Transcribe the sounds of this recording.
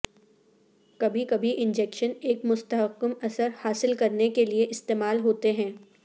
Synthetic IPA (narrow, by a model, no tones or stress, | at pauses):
kɐbʱikɐbʱiʔɪ̃nd͡ʒɛːkʃəneːkmʊst̪əɦəqːəmɐsəɾhaːsɪlkɐɾnekelieʔɪst̪eːmaːlɦoːt̪eɦɛ̃ː